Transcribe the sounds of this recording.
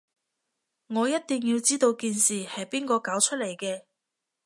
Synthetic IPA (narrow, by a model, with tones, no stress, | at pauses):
ŋɔː˨˧jɐ˥t̚t̪i˨ŋjiː˧wt͡siː˥t̪o˧wkiː˨nsiː˨hɐ˨jpiː˥nkɔː˧kaː˨˥wt͡ʃʰɵ˥t̚le˨˩jkɛː˧